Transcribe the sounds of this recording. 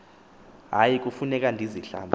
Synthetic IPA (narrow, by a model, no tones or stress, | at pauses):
ɦajik̬ʼufunɛk̬ʼandʱiziɬa̰ːmbʱ